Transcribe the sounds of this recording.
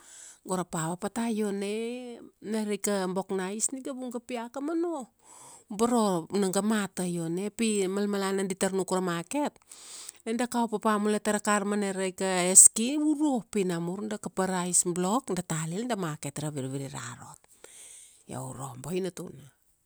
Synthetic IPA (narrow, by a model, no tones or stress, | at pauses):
ɡoɾapaβapatajo̞neneɾejkambo̞knaisniɡabuŋɡapiakamano | baɾo̞naŋɡamatajo̞nepimalmalananditaɾnukuɾamake̞t̚nendakaopapamuletaɾakaɾmaneɾejkaeskiuɾopinamuɾndakapaɾaisblo̞kndatalildamaketɾaβiɾβiɾiɾa̰ɾo̰t̚ | ja̰uɾo̰mboinatuna